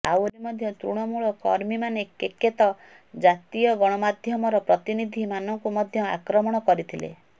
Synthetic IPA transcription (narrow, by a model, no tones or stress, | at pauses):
a̰wɾimɔd̪ʱjɔt̪ɾuɽ̃ɔmuɭɔkɔ̰ɾmimanekekːet̪ɔ | d͡ʒat̪ijɔɡɔɽ̃ɔmad̪ʱjɔmɔɾɔpɾɔt̪inid̪ʱimanɔŋkumɔd̪ʱjɔa̰kɾɔmɔɽ̃ɔkɔɾit̪ʰilḛ